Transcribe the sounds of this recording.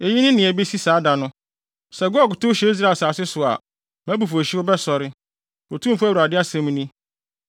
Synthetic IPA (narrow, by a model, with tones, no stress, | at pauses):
e˨ji˦nɪ̃˦nɪ̃˨ɛ˨be˦si˦saː˨˦da˨nʊ̃˦ | sɛ˨ɡɔ˦˨kʊ˨tʊ˦ɕɛ˦i˦s̬ɾa˨saː˨sɪ˦sʊ˨a̰˨ | mæ̃˦bu˨fo˨ɕi˦ʊ˦bɛ˦sɔ˨ɾɪ˦ | o˨tʰũ˦m̩˨fʊ˦æ˦˨u˨a˨dɪ˦a˦sɛ̃˦m˦nĩ˦